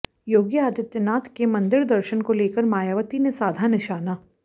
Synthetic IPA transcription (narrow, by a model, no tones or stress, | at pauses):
joːɡjəaːd̪jət̪jənaːt̪ʰkemɐ̃nd̪ɪɾd̪əɾʃənkoleːkəɾmaːjaːʋət̪inesaːd̪ʱanɪʃaːnaː